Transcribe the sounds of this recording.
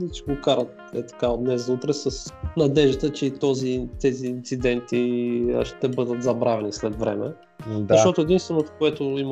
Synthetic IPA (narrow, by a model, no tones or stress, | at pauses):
it͡ʃɛɡokaɾət̪̚ɛt̪ɐ̥kad̪nɛzzɐut̪ɾɛsɐsnɐd̪ɛʒit̪ət͡ʃɛit̪ɔzit̪ɛziːnt̪sid̪ɛnt̪iəʃt̪ɛbɤd̪ət̪zɐbɾavɛnislɛt̪vɾɛ̰mɛ | zɐʃt̪ɔt̪oɛd̪inst̪vɛnot̪o̥koɛt̪oim